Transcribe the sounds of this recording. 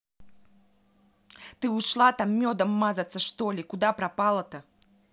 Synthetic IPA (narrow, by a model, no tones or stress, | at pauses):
t̪ɨuʂlˠat̪amːʲɔd̪ɐmːazɐt̪sːɐʂt̪ɔlʲikud̪apɾapalˠɐt̪ɐ